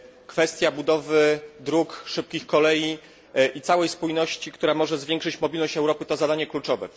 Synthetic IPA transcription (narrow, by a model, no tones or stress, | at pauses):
kfɛst̪ʲjabud̪ɔvɘd̪ɾukʂɘp̚kʲixkɔlɛji | ʔit̪sawɛjspujnɔɕt͡ɕikt̪uɾamɔʐɛzvʲjɛŋkʂɘt͡ɕmɔbʲilnɔɕt͡ɕɛwɾɔpɘt̪ɔzad̪aɲɛklut͡ʂɔvɛ̰